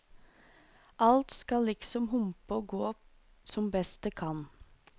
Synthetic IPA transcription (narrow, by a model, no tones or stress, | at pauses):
ʔɑlt̪skɑlɪksɔmhʊmpəoːɡoː | sɔmbɛst̪əkʰɑn